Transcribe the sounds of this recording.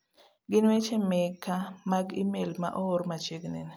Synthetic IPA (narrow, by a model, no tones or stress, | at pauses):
ɡɪnwet͡ʃemekːamaɡimelma̰ʔooɾmat͡ʃeɡnḛn